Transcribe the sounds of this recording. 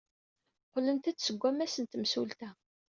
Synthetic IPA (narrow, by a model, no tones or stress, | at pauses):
qlənt̪æt͡sːsəɡʷːæmæsənt̪msult̪æ